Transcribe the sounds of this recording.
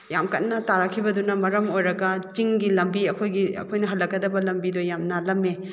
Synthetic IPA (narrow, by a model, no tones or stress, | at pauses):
jamkɐt̚nɐtaɾɐkʰibɐdunɐmɐɾɐmojɾɐɡɐt͡ʃiŋɡilɐmbiɐkʰojɡiɐ̰kʰojnɐɦɐlːɐk̚ɡɐdɐbɐlɐmbidojamnɐlɐmːe